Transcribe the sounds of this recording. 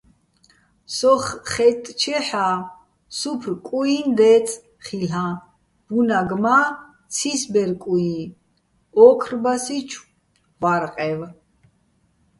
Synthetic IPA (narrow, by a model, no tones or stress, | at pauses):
sɔχχɛt̪ʼt͡ʃʰɛħa | supʰrkʼuind̪ɛt͡sʰ | χilã | b̥unaɡma | t͡sʰisbɛɾkʼui | ɔkʰrbasit͡ʃʰ | vaɾqʼɛv